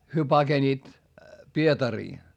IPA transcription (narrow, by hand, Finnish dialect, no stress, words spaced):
hyø pɑɡ̊eniːt pietɑriː